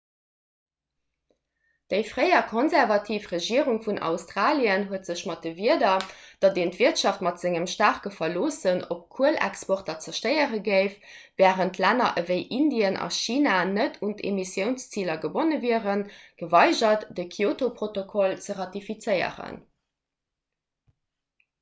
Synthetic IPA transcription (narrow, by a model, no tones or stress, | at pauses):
d̥əɪfʁəɪɐkʰonzɛʁvɑtʰiːfʁəʒiəʁuŋfunʔɑ̰ʊstʁaːliənɦuətz̥əɕmɑt̚dəviədɐd̥ɑdeːntv̥iətʃɑftmɑtz̥ɪŋəmʃtaːʁkəfɐloːsənop̚kʰuəlæ̰kspɔʁtɐt͡səʃtəɪəʁəɡəɪf | vɛːʁəntlænɐʔəvəɪʔindiənʔɑ̰ʃiːnanətʰuntḛmisjəʊnst͡siːlɐɡəbonəviəʁənɡ̥əvɑɪʒɐtdəkʰioːtopʁotokʰolt͡səʁɑtifit͡səɪə̰ʁə̰n